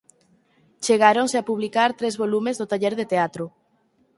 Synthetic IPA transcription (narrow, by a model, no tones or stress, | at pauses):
t͡ʃeɣaɾoŋseapuβ̞likaɾt̪ɾezβolumezðot̪aʎeɾðet̪eat̪ɾʊ